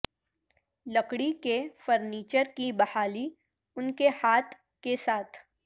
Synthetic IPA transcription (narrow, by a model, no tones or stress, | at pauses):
lɐkɽikefəɾniːt͡ʃəɾkibɐhaːli | ʊnkehaːt̪ʰ | kesaːt̪ʰ